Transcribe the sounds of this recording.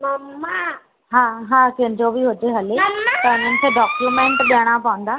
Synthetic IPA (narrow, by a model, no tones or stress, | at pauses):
mam | ɦãːɦãːkɐ̃ɦɪ̃ɲd͡ʑobiɦʊd͡ʑeɦɐlet̪ɐʊɲ̤ənɪ̆kʰeɖɔːkjumẽːɳʈɓijəɽ̃apɐʋə̃nd̪aː